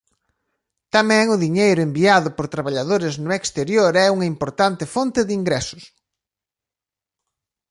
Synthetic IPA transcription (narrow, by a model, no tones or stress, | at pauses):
t̪amɛ̃ŋʊðiɲejɾʊembiaðʊpoɾt̪ɾaβaʎaðoɾɪznʊekst̪eɾjoɾɛuŋɐimpoɾt̪ant̪ɪfont̪ɪðiŋɡɾɛsʊ̥s